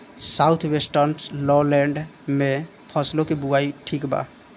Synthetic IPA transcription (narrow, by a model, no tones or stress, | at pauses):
sawt̪ʰwesʈəɾnlɔleɳɖmẽ | pʰɔslokebuaiʈʰikba̰